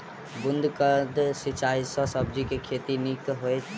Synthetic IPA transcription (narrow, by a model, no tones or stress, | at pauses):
bund̪ʱkəd̪sit͡ʃaisə̃səb̚d͡ʒikekʰet̪inikɦojt͡ʃʰ